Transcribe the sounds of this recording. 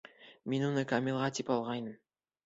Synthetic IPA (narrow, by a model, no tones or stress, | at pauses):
menwonəkʰamʲilˠʁɑt̪ʰipɑlˠʁɑjnəm